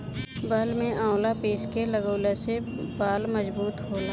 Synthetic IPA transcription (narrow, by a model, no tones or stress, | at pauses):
bəlmẽãːwlapeːskeləɡəːlese | baːlməzbuːt̪ɦoːlaː